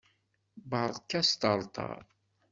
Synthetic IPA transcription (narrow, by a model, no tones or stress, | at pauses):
bəʕðˤkːæst̪əɾˤt̪ˤɑ̰ɾ